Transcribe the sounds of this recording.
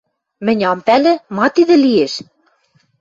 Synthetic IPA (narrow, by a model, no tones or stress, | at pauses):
mɘ̆nʲɑmpælɘ̆mɑt̪iðɘ̆lieʃ